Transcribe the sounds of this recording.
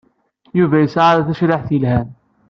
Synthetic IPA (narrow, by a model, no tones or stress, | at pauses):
juvæjəsʕaɾæθæʃɾɪħθilhæn